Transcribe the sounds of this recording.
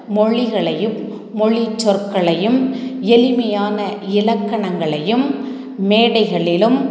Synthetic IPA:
mɔɭɪɣɐɭɐjɯmː | ɔɭit͡ʃːɔrkːɐɭɐjɯmɛlɪmɐjaːnɐɪlɐkːɐɳɐŋɡɐɭɐjɯm | meːɽɐɪɣɐɭɪlɯm

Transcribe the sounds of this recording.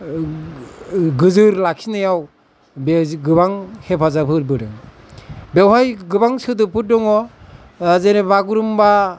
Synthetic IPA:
ɡɯzɯɾlakʰinajaw | beɡɯbaŋhepʰazapʰɯt̚bɯɾɯŋ | bewɦajɡɯbaŋsɯd̬ɯpʰɯt̚dɔŋɔ | zeɾebaɡuɾumba

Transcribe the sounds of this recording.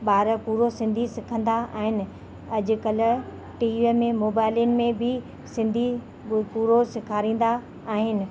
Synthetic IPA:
ɓaːɾəpuːɾosɪ̃nd̪ʱisɪkʰə̃nd̪aa̰ːɦɪnɪ̆ | ɐʄʊ̆kɐl | ʈiːʋemẽmoːbaːɪlijənɪ̆mẽbʱɪ | sɪ̃nd̪ʱi | puːɾosɪkʰaːɾĩːn̆d̪aː | ɦɪnɪ̆

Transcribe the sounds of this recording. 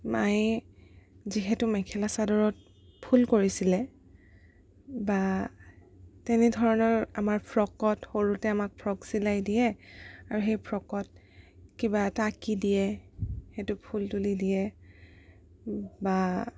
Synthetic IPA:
maj | ziɦɛtʊmɛkʰɛlasadɔɹɔt̚ | pʰulkoɹisilɛ | ba | tɛnɛdʱɔɹɔnɔɹamaɹpʰɹɔkɔtxoɹutɛamak̚pʰɹɔksilajdijɛaɹuxejpʰɹɔkɔt̚ | kibatakidijɛhetʊpʰultulidijɛ | ba

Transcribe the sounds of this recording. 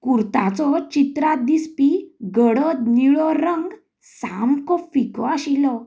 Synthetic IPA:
kuɾt̪at͡sɔt͡ɕit̪ɾad̪ispiɡəɽət̪̚niɭɔɾəŋɡ | samkɔfikɔaɕilɔ

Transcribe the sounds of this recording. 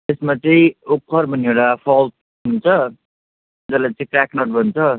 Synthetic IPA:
t̪esmat͡sʌĩokʰːʌɾbʱʌneɽapʰʌlt̪̚ | ɦunt͡sʰʌ | d͡zʌlat͡sʌ̃ĩkɾaknʌʈ̚bʱʌnt͡sʰʌ

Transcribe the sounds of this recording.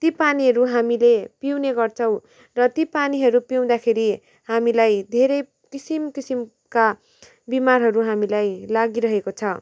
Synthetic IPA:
t̪ipaniɦʌɾuɦamilepiwneɡʌrt͡sʰʌw̃ | rʌt̪ipaniɦʌɾupiw̃d̪akʰeɾi | hamilajd̪ʱeɾʌj | kisimkisim | ka | bimarɦʌɾuɦamilajlaɡiɾʌɦekot͡sʰʌ

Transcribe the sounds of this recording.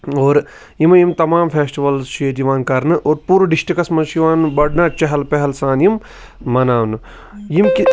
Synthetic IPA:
oːɾ | jimɐjimt̪ɐmaːmfʰeːsʈiʋɐlzʃid͡ʒiʋãːnkɐɾnɨʔoːɾpuːɾɖisʈikɐsmɐʃiʋaːnbɐɖnat͡ʃɐɦɐlpɛɦlsãːnjim | mɐnaːwn | jimki

